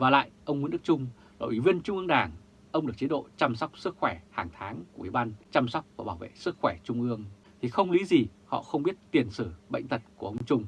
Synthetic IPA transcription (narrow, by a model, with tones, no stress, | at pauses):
vaː˨˩la̰ː˧˨jʔə˧wŋ͡mmu˨˦nɗɨ˦˥k̚t͡ɕʊ˧ŋ͡m | lo̰˧˨ʔwi˧˩vi˧ənt͡ɕʊ˧ŋ͡mʔɨ˧əŋɗaː˨˩ŋ | ʔə˧wŋ͡mɗɨ˨˩ək̚t͡ɕi˨˦ɗo̰˧˨t͡ɕa˧msɔ˦˥wk͡p̚sɨ˦˥k̚xwɛ˧˩haː˨˩ŋt̪ʰaː˨˦ŋku˧˩˨wḭ˧˩ɓa˧nt͡ɕa˧msɔ˦˥wk͡p̚vaː˨˩ɓaː˧˩wvḛ˧˨sɨ˦˥k̚xwɛ˧˩t͡ɕʊ˧ŋ͡mʔɨ˧əŋ | t̪ʰi˨˩xə˧wŋ͡mli˨˦zi˨˩hɔ̰˧˨xə˧wŋ͡mɓi˦˥ət̚t̪i˨˩ənsɨ˧˩ɓə̰˧˨jŋ̟t̪ʰə˨˩t̚ku˧˩əʔə˧ŋ͡mt͡ɕʊ˧ŋ͡m